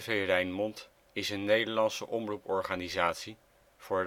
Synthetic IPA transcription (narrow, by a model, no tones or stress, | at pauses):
vejrɛjnmɔnt | ɪsənːejdəɹlɑnsə̰ʔɔmrupɔɹχaːnizaːtsi | v̥ʊːɹ